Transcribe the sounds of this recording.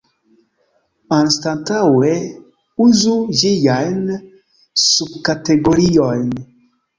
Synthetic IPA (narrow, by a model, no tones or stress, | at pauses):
anstantawe | uzud͡ʒijajn | sub̚kateɡoɾiojn